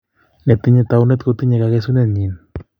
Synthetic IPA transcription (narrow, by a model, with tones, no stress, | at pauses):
nɛ˨t̪ɪ˦ɲet̪aunɛ˦t̪ko˦t̪i˦ɲe˨ka˨kes̬u˦nɛɲi˨n